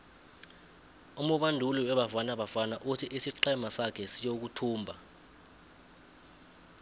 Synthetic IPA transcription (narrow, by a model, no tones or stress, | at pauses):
umuɓandʱuliwɛɓafanaɓafanaʔutʰiʔisiǃɛmasakʰɛsijok̬utʰuːmbʱa